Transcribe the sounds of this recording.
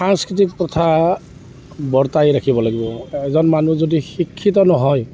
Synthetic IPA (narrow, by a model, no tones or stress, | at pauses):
saŋskɹit̪̬ik̚pɔt̪ʰa | bɔɹt̪ajɹakʰibɔlaɡibɔɛzɔnmanuzodixikʰːit̪ɔnɔɦɔj